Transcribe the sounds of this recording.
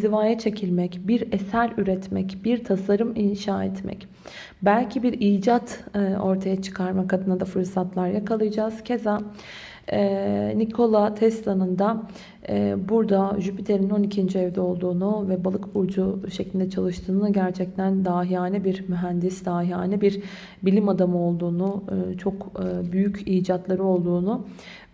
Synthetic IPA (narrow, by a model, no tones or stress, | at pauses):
zivaːjat͡ʃʰe̞cʰilʲmɛcbiɾesælʲyɾɛt̪mɛ̰cbiɾt̪ʰasaɾɯminʃaːɛt̪mɛ̰c | bælʲcʰibiɾiːd͡ʒat̪ːo̞ɾt̪ʰajat͡ʃʰɯ̥kʰaɾmakʰad̪ɯnad̪afɯɾsat̪lˠaɾjakʰalˠɯjad͡ʒaːz̥cʰe̞za | ɛnikʰo̞lˠat̪ʰɛst̪lˠanɯnd̪a | buɾd̪aʒypit̪ʰe̞ɾino̞nicʰind͡ʒiɛvd̪ɛo̞lˠd̪uːnuvɛbalˠɯkbuɾd͡ʒuʃeclʲind̪ɛt͡ʃʰalˠɯʃt̪ʰɯːnɯɟæɾt͡ʃʰɛc̚t̪ʰænd̪aːɦiaːnʲibiɾmyɦænd̪isd̪aːɦiaːnʲibiɾ | bilʲimad̪amɯo̞lˠd̪uːnut͡ʃʰo̞kːbyjyciːd͡ʒat̪lˠaɾɯo̞lˠd̪uːnu